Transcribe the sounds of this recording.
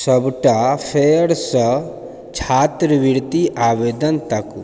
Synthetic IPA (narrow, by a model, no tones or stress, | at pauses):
sɐbʈapʰeəɽsə | t͡ʃʰaːt̪ɾəʋiɾt̪iʔaːʋeːd̪ənt̪ɐk